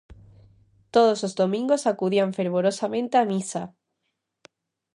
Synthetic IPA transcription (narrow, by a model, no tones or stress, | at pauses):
t̪oð̞oslozðomĩŋɡosakuðiaɱfeɾβ̞oɾosamẽnt̪eamisa